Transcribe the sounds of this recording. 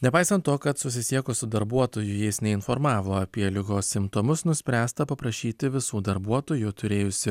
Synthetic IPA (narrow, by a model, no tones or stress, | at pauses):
nʲɛpɑɪsɐnt̪t̪ːoːkɐt̪sʊsʲɪsʲiɛkosʊd̪ɐɾbuɔt̪oːjʊjɛɪsnʲɛɪnfɔɾmɑːʋoːɐpʲiɛlʲɪɡoːssʲɪmpt̪ɔmʊsnʊsʲpʲɾʲæːst̪ɐpɐpɾɐʃʲiːt̪ʲɪʋʲɪsuːd̪ɐɾbuɔt̪oːjut̪ʰʊɾʲeːjʊsʲɪ